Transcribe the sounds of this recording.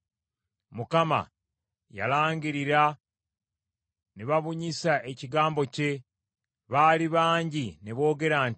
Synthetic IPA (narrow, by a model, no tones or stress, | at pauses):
mukama̰ | ja̰laːɲɟiɾiɾa | neβaβuɲisae̞ciɡaːmbo̞ce̞ | βaːliβaːɲɟineβo̞ːɡe̞ɾaːn